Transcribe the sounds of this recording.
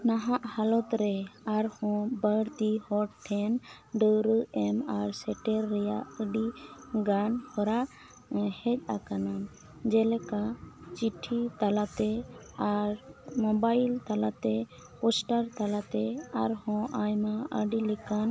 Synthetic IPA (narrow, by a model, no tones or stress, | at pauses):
naɦaʔhalɔt̪ɾɛaɾhɔ̃bəɽt̪ihɔʈʈʰɛn | ɖəɾɛmaɾsɛʈɛɾːɛjaʔəɖiɡanhɔɾa | hɛc̚ˀakanam | d͡ʒɛlɛkat͡ʃiʈʰit̪alat̪ɛ | aɾmɔbajlt̪alat̪ɛ | pɔsʈaɾt̪alat̪ɛaɾhɔ̃ʔajmãəɖilɛkan